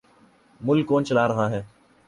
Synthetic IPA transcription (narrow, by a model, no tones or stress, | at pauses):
mʊlkːoːnt͡ʃəlaːɾəɦaːɦɛː